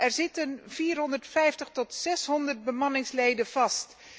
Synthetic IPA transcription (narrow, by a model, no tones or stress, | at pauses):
ʔɛɹzɪtənv̥iːrɦɔndərtfɛjftəχtɔtsɛsɦɔndərd̚bəmɑnɪŋslejdənv̥ɑst